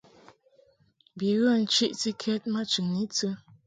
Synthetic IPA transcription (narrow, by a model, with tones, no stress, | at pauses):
bi˨ɣə˦˨n̩˦t͡ʃi˦ʔti˦kʰɛ˦t̚ma˦t͡ʃʉ˨ŋni˦t͡sə˦